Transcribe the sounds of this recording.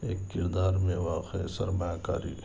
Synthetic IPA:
eːkːɪɾd̪aːɾmẽʋɐkesəɾmajaka̰ːɾḭ

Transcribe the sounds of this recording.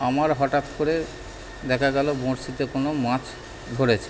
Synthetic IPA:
amaɾɦɔʈat̪koɾe | d̪ɛkʰaɡɛlobõɾsit̪ekonomãt͡ɕ | d̪ʱoɾet͡ɕʰe̥

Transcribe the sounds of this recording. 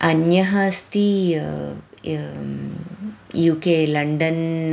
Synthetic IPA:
ʔɐnjɐɦɐst̪i | juːkeːlɐɳɖɐn

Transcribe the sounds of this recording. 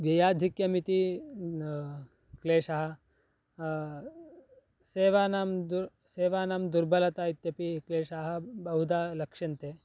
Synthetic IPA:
ʋjɐjaːd̪ʱikjɐmit̪i | kleːʂɐɦɐ̆ | seːʋaːnaːmd̪uɾ | seːʋaːnaːmd̪uɾbɐlɐt̪aːit̪jɐpikleːʂaːɦɐ̆bɐɦud̪aːlɐkʂɐnt̪eː

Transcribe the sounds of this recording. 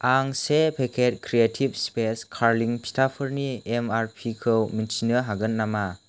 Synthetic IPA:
aŋsepʰekʰet̚kʰɾietʰib̚speskʰaɾliŋpʰi̥tʰapʰɯɾniemaɾpʰikʰɯwminsinəɦaɡɯnːama

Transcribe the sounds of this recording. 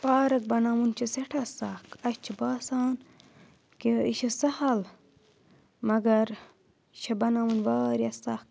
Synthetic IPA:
paːɾɐk̚bɐnaːmunt͡ʃʰɐseʈʰɐsaːkɐɕt͡ʃʰibaːsaːn | keiʃɐsɐhɐl | mɐɡɐɾ | ʃʰɐbɐnaːmunʋaːɾiɐsaːk̚

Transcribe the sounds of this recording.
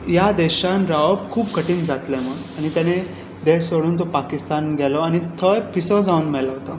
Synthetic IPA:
jad̪eɕanɾaʋəpkʰuːpkəʈiːnd͡zat̪leməɽañit̪jane | d̪esoɽuːnt̪̬opakist̪anɡʱɛlɔañit̪ʰəjpisɔd͡zauːnmɛlaɦot̪a

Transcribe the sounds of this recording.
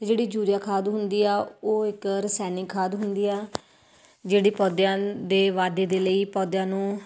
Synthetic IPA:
d͡ʒeːɽiːd͡ʒuːɾɪjaːkʰaːd̪ɦʊnd̪iːaːoːɪkɾəsɛːnɪkʰaːd̪ɦʊnd̪iːaː | d͡ʒeːɽiːpɔːd̪jãːd̪eːʋaːd̪eːd̪eːləiːpɔːd̪jãːnũː

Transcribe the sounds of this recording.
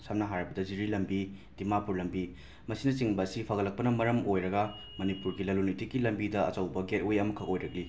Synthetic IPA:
samnɐɦaɾɐbɐdɐd͡ʒiɾilɐmbi | dimapuɾlɐmbi | mɐsinɐt͡ʃiŋbɐːsipʰɐɡɐlːɐk̚pɐnɐmɐɾɐmojɾɐɡɐ | mɐnipuɾɡilɐlunitikilɐmbidɐɐ̰t͡ʃɐwbɐɡet̚ojɐmɐkʰːɐʔojɾɐk̚li

